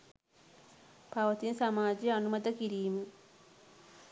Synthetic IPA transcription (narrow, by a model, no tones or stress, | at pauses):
paʋɐt̪insamaːd͡ʒejanumɐd̪əkiɾiːmə